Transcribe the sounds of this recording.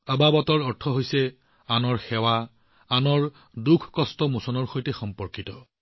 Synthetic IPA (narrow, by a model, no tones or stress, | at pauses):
ababɔtɔɹɔɹtʰɔɦojsɛ | anɔɹxɛwa | anɔɹ | dukʰkɔstɔmusɔnɔɹxojtɛxɔmpɔɹkitɔ